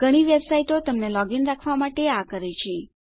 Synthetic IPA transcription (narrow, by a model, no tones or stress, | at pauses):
ɡ̥ʱəɽ̃iʋebsaiʈot̪əmnelɔɡinɾakʰʋamaʈeakəɾet͡ʃʰe